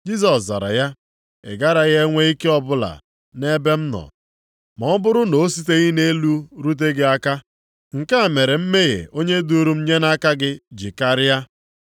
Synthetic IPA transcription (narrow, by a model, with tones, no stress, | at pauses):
d͡ʒi˦s̬ɔ˨sza̰˨ɾa̰˨ja˦ | ḛ˨ɡa˦ɾa˨ɣe˦ŋʷe˦i˦ke˦ɔ˦bʊ˦la̰˨ | ne˦be˦m̩˦nɔ̰˨ | mɔ˨˦bʊ˦ɾʊ˦no˨˦si˦t̬e˦ɣi˦ne˦lu˦ɾu˦t̬e˦ɡe˦a˦ka˦ | ŋ̩˨ka˦˨me˨ɾe˨m̩˦me˦ɣḛ˨o˦ɲe˦du˦ɾu˦m̩˦ɲe˦na˦ka˦ɡɪ˦d͡ʒi˨ka˦ɾɪ˦ja˦